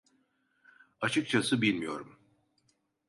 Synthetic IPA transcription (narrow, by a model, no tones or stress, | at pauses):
at͡ʃʰɯk̚t͡ʃʰasɯbilʲmijo̞ɾum